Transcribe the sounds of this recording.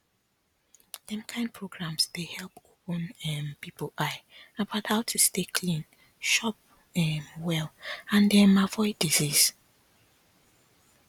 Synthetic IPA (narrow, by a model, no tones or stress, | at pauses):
d̥ɛ̃mkʰãɪ̃n̚pʰɹoɡɹãmsdehɛlˠpopə̃nɛmpipoʔaɪabaʊthaʊtʰustekʰlĩn | ʃɔp̚ | ɛmwɛlãndɛmavɔɪdizis